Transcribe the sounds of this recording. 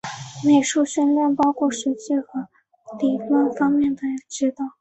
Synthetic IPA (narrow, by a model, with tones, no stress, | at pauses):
ne˨˩ʂu˥˩ɕə˥nljɛ˥˩npɑ˥ʊkʰwɔ˥˩ʂɻ̩˧˥t͡ɕi˥˩xɤ˧˥ | li˨˩t̪wa˥nfɑ˥ŋmjɛ˥˩nd̪ə˩jʈ͡ʂɻ̩˥t̪ɑ˥˩ʊ